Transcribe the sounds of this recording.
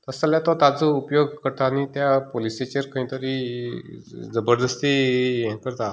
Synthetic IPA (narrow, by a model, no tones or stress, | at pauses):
t̪əsəljat̪ɔt̪ad͡zəupjoɡkəɾt̪aːñit̪japoliset͡ɕeɾkʰəĩt̪əɾi | d͡zəbəɾd̪əst̪iɛ̃kəɾt̪a